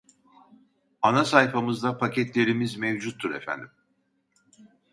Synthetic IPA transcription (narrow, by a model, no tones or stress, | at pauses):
anasajfamɯzd̪apʰacʰɛt̪lʲe̞ɾimizmevd͡ʒut̪ʰːuɾefæ̰nd̪im